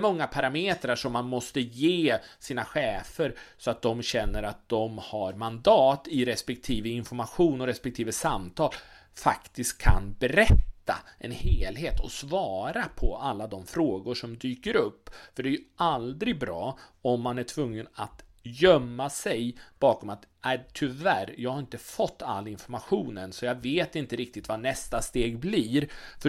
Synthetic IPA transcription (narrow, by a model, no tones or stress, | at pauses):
mɔŋːapʰaɾameːt̪ɾaʂɔmːanmɔst̪əjeːsiːnaɧɛːfəɾsɔat̪̚d̪ɔmɕɛnːəɾat̪̚d̪ɔmhaɾmand̪ɑːt̪ɪɾɛspɛk̚t̪ʰiːvəɪnfɔɾmaɧuːnɔɾɛspɛk̚t̪ʰiːvəsamːt̪ʰɑːl | fakt̪ɪst̪̚kʰːa̰nbɛɾɛt̪ːa̰ʔɛ̰nheːlɦeːt̪ʰɔ̰svɑːɾapʰɔalːad̪ɔmfɾoːɡʊʂɔmd̪yːkəɾɵpːfœɖɛæjɵʔald̪ɾɪɡ̚bɾɑːɔmːanæʈʰvɵŋːənat̪ | jœmːasɛjb̥ɑːkɔmat̪ɛt̪ʰʏvæɾjɑːɡhaɾɪnt̪əfɔt̪ʰːa̰lːɪnfɔɾmaɧuːnənsɔjɑveːt̪ɪnt̪əɾɪk̚t̪ɪt̪vanɛst̪ast̪eːɡbliːɾfœ